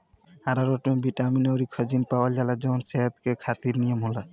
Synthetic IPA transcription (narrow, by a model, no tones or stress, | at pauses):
aɾaɾɔʈmebiʈaminoɾikʰːɔd͡ʒinpawad͡ʒalad͡ʒɔmɔnseɦat̪̚kekʰat̪iɾnijamula